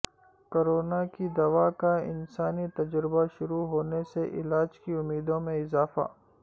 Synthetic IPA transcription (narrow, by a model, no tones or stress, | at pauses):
koːɾoːnakid̪ɐʋaːkaɪ̰nsaːnit̪ɐd͡ʒɾɪbaʃʊɾuɦoːneseʔɪ̰laːd͡ʒkiʊmːiːd̪õmẽɪzaːfa̰ː